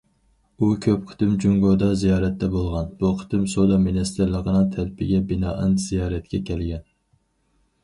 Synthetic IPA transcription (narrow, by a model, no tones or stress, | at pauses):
ukʲʰøpqʰə̥t̪ɨmd͡ʒuŋɡod̪ɑzijɑːɾɛt̪ːɛbolˠʁɑnb̥uqʰə̥t̪ɨmsod̪ɑminɪst̪ʰɪɾlˠəqʰənɨŋt̪ʰælpʰɪɡʲɛbɪnɑːʔɨnz̥ijɑːɾɛt̪̚kʲʰɛkʲʰɛlɡʲɛn